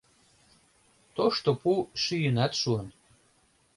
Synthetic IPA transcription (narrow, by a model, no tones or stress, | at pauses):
t̪oʃt̪opuʃyjənæt̪ʃuən